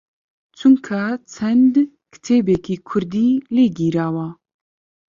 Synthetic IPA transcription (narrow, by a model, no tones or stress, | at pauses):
t͡ʃʰɨŋkʰat͡sʰɛnd̪ | kʰɨ̥t̪ʰeːbɛkiːkʰʊɾd̪iːleːɡiːɾaːwaː